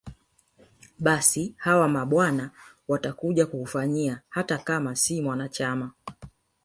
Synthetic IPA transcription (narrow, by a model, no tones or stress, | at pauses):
ɓasihawamaɓwana | watakuʄakuhufaɲiahatakamasimwanat͡ʃama